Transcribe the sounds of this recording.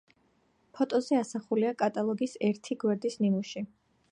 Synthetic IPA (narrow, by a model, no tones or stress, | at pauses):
pʰɔt̪ʼɔzɛasaχuliakʼat̪ʼalˠɔɡisɛɾt̪ʰiɡwɛɾd̪isnimuʃi